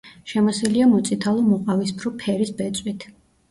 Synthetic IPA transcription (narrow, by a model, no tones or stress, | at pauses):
ʃɛmɔsɛliamɔt̪sʼit̪ʰalˠɔmɔqʼavispʰɾɔpʰɛɾisbɛt̪sʼwit̪ʰ